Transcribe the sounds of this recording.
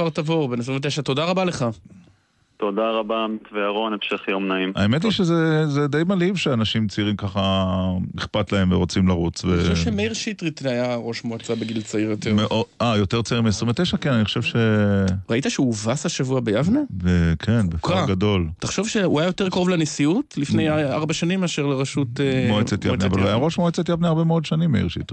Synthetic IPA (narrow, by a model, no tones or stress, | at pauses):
aʁt̪avo̞ʁbenesʁĩɱvt̪̬eʃat̪o̞daʁabaleχa | t̪od̪aʁabamit̪veaʁonefʃeχjomnaimaemet̪̬liʃezezed̪ejmalivʃeanaʃimt͡siʁimkaχa | iχpat̪lae̞mveʁo̞t͡simlaʁut͡sveaʃevʃemeiʁʃit̪ʁit̪ajaʁo̞ʃmuat͡sabeɡilt͡saiʁjot̪eʁmeʔoajo̞t̪eʁt͡saiʁimiesʁĩmvet̪ejʃakenaniχoʃevʃeʁait̪aʃeuvasaʃavuabejavnevekʰenbefaɡado̞lt̪aχʃovʃeuajajo̞t̪ekaʁovlanisiutlifnejaaʁbaʃanimaːʃeʁleʁaʃut̪emoet͡setjaneavalajaʁo̞ʃmoet͡st̪ajabnejaʁbemeo̞dʃanimːḛḭʁʃḭt̪ʁi